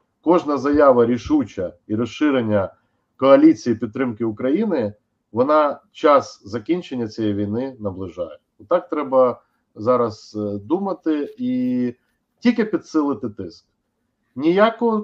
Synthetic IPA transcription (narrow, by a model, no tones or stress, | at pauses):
kɔʒnɐzɐjɑʋɐɾʲiʃut͡ʃɐiɾɔʃʃɪɾenʲːɐ | kɔɐlʲit͡sʲijipʲid̪t̪ːɾɪmkɪʊkɾɐjinɪ | ʋɔnɑt͡ʃɑszɐkʲinʲt͡ʃenʲːɐt͡sʲijɛjʋʲijnɪnɐblˠɪʒɑ̰jɛ | ɔt̪ɑk̚t̪ɾɛbɐ | zɑɾɐzd̪umɐt̪ɪi | tʲilʲkɪpʲid̪sɪlˠɪt̪ɪt̪ɪsk̚ | nʲijakʊ